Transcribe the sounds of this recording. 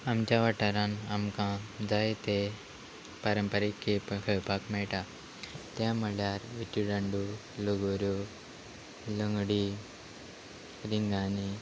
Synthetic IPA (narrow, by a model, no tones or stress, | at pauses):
amt͡ɕjaʋaʈəɾãnamkãd͡zajt̪e | pəɾəmpəɾikːepkʰəɭpakmɛɭʈa | t̪jaməɭjaɾʋit͡ɕuɖəɳɖu | ləɡoɾjo | ləŋɡɽi | ɾiŋɡani